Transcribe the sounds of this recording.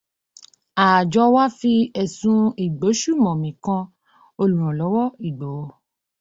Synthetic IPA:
a˨d͡ʒɔ˧wa˦fi˧ɛ˨sũ˧i˨ɡ͡bo˨˦ʃu˦˨mɔ̃˨mĩ˨kã˧ | o˧lũ˨ɾ̃ɔ̃˨lɔ˨˦wɔ˦i˨ɡ͡bɔ˨˦˧

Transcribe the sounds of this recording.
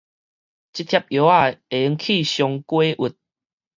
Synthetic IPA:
t͡ɕi˦t̪̚ʰja˦p̚jo˨˦a˦˨e˨˧˦ŋkʰi˥˨ɕjɔ˧ŋkwe˦ʔu˨˩t̪̚

